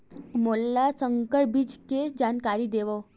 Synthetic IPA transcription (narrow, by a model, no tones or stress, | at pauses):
molːasəŋkəɭbid͡ʑked͡ʑankaɾiːd̪eʋɔ